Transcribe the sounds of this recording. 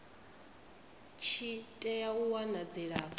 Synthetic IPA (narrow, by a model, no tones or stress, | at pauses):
t͡ʃʰitʼɛjauwanad͡zɛɺa